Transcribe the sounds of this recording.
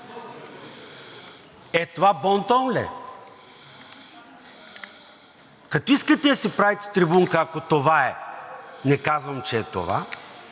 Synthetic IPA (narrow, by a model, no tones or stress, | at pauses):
ɛt̪ovabɔnt̪ɔnlɛ̰ | kɐt̪oiskət̪ɛɐsipɾavit̪ɛ̥t̪ɾibuŋkəːkot̪ovaɛ | nɛkazvɐmt͡ʃɛːt̪o̰va̰